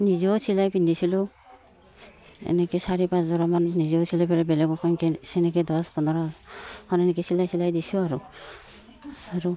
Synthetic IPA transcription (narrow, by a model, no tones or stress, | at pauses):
nizɔsilajpindisilɔ | ɛ̰nɛkɛsaɹɛpaszɔɹɔmanːizɔsilajpɛlɛbɛlɛɡɔkʰɔnkɛsɛnɛkɛdɔspɔnɔɹɔhɔnɛnɛkɛsilajsilajdisuaɹu | aɹu